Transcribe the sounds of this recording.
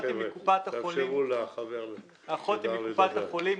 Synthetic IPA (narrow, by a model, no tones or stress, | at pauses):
t̪ikupat̪haolimulaχaveʁ | aχot̪ikupat̪haχolim